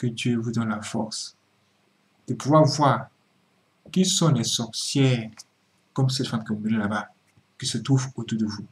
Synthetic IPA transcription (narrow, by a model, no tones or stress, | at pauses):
kəd̪jøvud̪ɔnlafɔʁs | d̪̥əpuvwaʁvwaːʁ | kɛlsɔ̃lɛsɔʁsjɛʁ | kɔms̬ɛt̪famkiũbilɛ̃laba | kʲisət̪χuvot̪uʁd̪əvu